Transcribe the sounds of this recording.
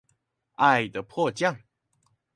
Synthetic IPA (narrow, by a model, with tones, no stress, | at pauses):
a˥˨ɪd̪ə˩pʰwɔ˥˧t͡ɕjɑ˥˨ŋ